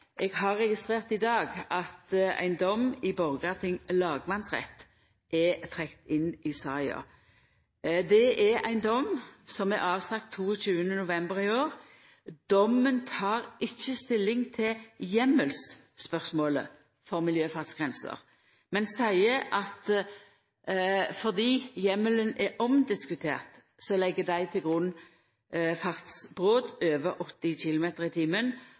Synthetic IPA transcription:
ʔɛɡhɑɾːɛɡɪst̪ʁeːʁt̪ɪd̪ɑːɡɑt̪æ̰ɪnd̪ɔmːɪbɔʁɡɑt̪ʰɪŋlɑːɡmɑnsʁɛ̰t̪ː | ʔɛt̪ʰʁɛkt̪ɪnɪsɑɪɑ̰ | d̪ɛʔɛæ̰ɪnd̪ɔmsɔmæɾɑːʋsɑk̚t̪ʰːuːəɕʉːənənʊʋɛmbəɾɪoːʁ | d̪̥ɔmːənt̪ʰɑːʁɪçːəst̪ɪlːɪŋt̪ʰɪljɛmːəlsː | pœʁsmoːlə̰ | fɔʁmɪljøːfɑʁt̪sɡ̥ʁɛnsə̰ʁ | mɛnsæɪəʔɑt̪ | fɔʁd̪iːjɛmːələnɛʔɔmd̪ɪskʉt̪ʰḛːʁt̪ | sɔlɛɡːəd̪æɪt̪ʰɪlɡʁʉn | fɑʁt̪sb̥ʁoːd̪øːʋəʔɔt̪ːɪɕɪlʊmeːt̪əʁɪt̪ʰiːmən

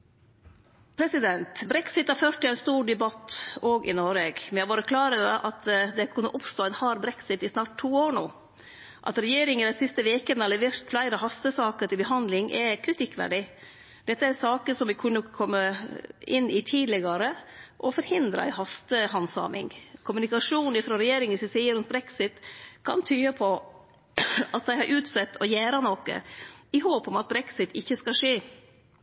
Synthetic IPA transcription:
pʰɾɛsɪd̪ɛnt̪bɾɛksɪt̪hɑɾføːɾʈ̪ːɪlæɪnst̪uːɾɖɛbɑt̪ːoːɡʔɪ̰noɾeːɡmɛnjhɑʋoːɾəkʰlɑːɾəəʔɑt̪d̪ɛkʰʉnːəʔʊpst̪oːɛnhɑːɾbɾɛksɪt̪ɪsnɑːʈ̚t̪ʰːuːoːɾɳuː | ʔɑ̰t̪ɾɛjeːɾɪŋəd̪æsɪst̪əʋeːkənəhɑlɛʋeːɾt̪flæɪɾəɦɑst̪əsɑːkəɾʈ̪ɪlbəɦɑnd̪lɪŋʔɛkʰɾɪt̪ʰɪkːʋæ̰ɖɪ | d̪ɛt̪ːəæɾsɑːkəsɔmʋɪkʰʉnːəkʰɔmːəɪnːɪt̪ʰiːd̪lɛɡɑɾəʔɔfɔɾhɪnd̪ɾɑ̰ɪhɑst̪əhɑnsɑ̰ːmɪ̰ŋkʰʊmʉnɪkɑʂuːnɪfɾɔɾɛjeːɾɪŋsɪsiːəɾʉnt̪bɾɛksɪt̪kʰɑ̰nt̪ʰyːəpʰɔ | ɑt̪̚d̪æɪhɑɾʔʉːt̪sɛt̪ːʰɔjæːɾɑnɔkə̰ɪɦoːpɔmɑt̪̚bɾɛksɪt̪ɪçːəskɑʂeː

